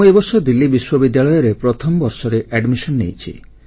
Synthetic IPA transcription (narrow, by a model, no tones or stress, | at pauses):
uebɔɾsɔd̪ilːibiswɔbid̪jaɭɔjɔɾepɾɔt̪ʰɔmɔbɔɾsɔɾeʔɛɖmisɔnnḛjt͡ʃʰḭ